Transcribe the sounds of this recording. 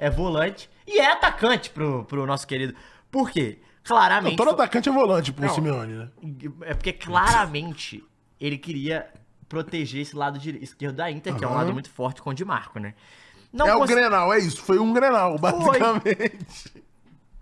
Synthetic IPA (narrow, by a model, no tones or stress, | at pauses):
ɛvolɐ̃t͡ʃɪ̥ | ɪɛat̪akɐ̃t͡ʃɪ̥pɾʊpɾʊnɔsʊ̥keɾid̪ʊ | poɾke | klaɾɐmẽt͡ʃ̪od̪at̪akɐ̃t͡ʃɪɛvolɐ̃t͡ʃɪpʊ̃simeɐ̃nɪnɛɛpoɾkeklaɾɐmẽnt͡ʃɪ̰ | elɪkɪɾiɐ | pɾot̪eʒeɾesɪlad̪ʊd͡ʒɪiskeɾd̪ʊd̪aĩnt̪eɾkɪɛũladʊmũj̃t̪ʊ̥fɔɾt͡ʃɪ̥kõd͡ʒɪma̰ɾkʊnɛ̰ | nɐ̃wɛ̃sɡɾenawɛisʊ̥fojũɡɾenawbaziokjamẽt͡ʃɪ̥